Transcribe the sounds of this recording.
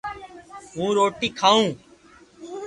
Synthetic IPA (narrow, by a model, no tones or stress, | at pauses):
ɦũːɾoːʈiːkʰaːũː